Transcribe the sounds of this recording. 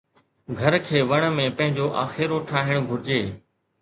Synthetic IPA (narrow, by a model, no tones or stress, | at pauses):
ɡʱɐɾkʰeːʋɐɽ̃ə̆mẽpɐ̃ɦɪ̃ɲd͡ʑoʔaːxɪɾoʈʰaːɦɪɽ̃ɡʱʊɾɪd͡ʑeː